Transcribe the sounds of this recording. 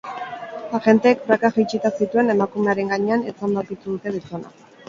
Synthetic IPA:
aʝe̞nt̪eːk̚bɾakaɣit͡ʃit̪asit̪ue̞ne̞makume̞aɾe̞ŋɡaɲe̞anet͡sand̪awkit̪uðut̪e̞ðit͡sona̰

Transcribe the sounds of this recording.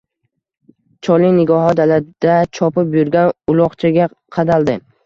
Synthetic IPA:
t͡ʃʰɒlˠɪnɪɡɒɦɒd̪alad̪̥at͡ʃʰɒpɪpjʊɾɡʲanʊlˠɒχt͡ʃʰaɡʲa | qʰɑd̪alˠd̪ɪ

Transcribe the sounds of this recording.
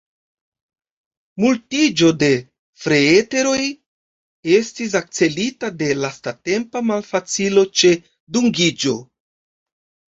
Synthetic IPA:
multid͡ʒo̞de̞ | fɾe̞ete̞ɾo̞j | e̞stis̬ak̚t͡se̞litade̞lastate̞mpamalfat͡silo̞t͡ʃe̞ | duŋɡid͡ʒo̞

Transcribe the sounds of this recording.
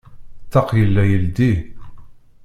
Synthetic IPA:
t̪ːɑqjəlːæjəld̪i

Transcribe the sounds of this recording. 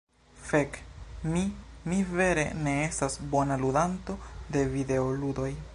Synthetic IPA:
fe̞kmimive̞ɾe̞̰ne̞e̞stasbo̞naludanto̞de̞vide̞oludo̞j

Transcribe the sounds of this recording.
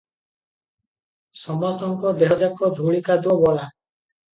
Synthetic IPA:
sɔmɔst̪ɔŋkɔd̪eɦɔd͡ʒakɔd̪ʱuɭikad̪ɔbɔla

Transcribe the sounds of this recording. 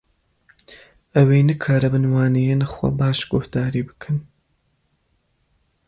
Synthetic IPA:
ɐwejnɨkʰaːɾɐbɨnwaːnejenɨxwɐ̰baːʃɡ̥ʊhd̪̥aːɾiːbɨkʰɨn

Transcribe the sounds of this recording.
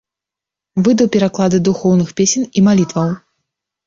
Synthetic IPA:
vɨd̪ɐwpʲɛɾaklˠad̪ɨd̪uxɔwnɨxpʲesʲɛnimalʲit̪vɐw

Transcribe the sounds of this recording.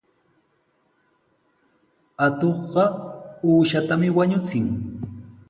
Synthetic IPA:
at̪oχɢɑuːʃat̪amɪwaɲʊt͡sɪŋ

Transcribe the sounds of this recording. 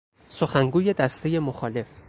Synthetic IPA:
soxæŋɡuːje̞d̪æst̪ʰe̞je̞moxɒːle̞f

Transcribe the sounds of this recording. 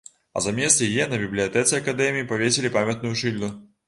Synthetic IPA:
ɐ̰zamʲɛst̪jajɛnɐbʲiblʲijɐt̪ɛt̪sʲɛɐkad̪ɛmʲiipavʲesʲelʲipamʲɐt̪̚nujuʂɨlʲnu

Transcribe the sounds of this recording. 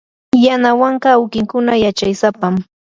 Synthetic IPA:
janawɑɴɢɑːwkɪŋkʊnajat͡ʃajsapam

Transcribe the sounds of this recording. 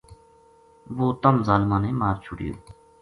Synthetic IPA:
ʋoːt̪əmzaːlmãːneːmaːɾt͡ʃʰʊɽjo̰ː

